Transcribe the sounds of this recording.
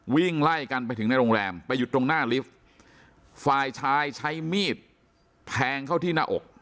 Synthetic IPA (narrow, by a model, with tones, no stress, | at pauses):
wi˥˩ŋla˥˩jka˧npa˧jt̪ʰɯ˩˦na˧jɾoː˧ŋɾɛː˧mpa˧jːu˨˩t̪ːɾo˧ŋnaː˥˩li˦˥f̚ | faː˧jt͡ɕʰaː˦˧˥jt͡ɕʰa˦˥jmiː˥˩t̪̚ | pʰɛː˧˥ŋkʰa˥˩wt̪ʰiː˥˩naː˥˩ʔo̰˨˩k̚